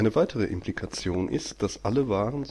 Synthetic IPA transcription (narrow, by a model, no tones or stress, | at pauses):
ɪnəvaɪtʰəʁ̞əʔɪ̰mplikʰat͡sjoːnʔɪ̰st̚d̥asʔaləvaːʁənz